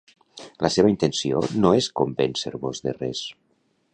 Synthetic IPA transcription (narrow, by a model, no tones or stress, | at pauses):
ləseβaint̪ensio̰noeskombensə̰ɾβozðerɛs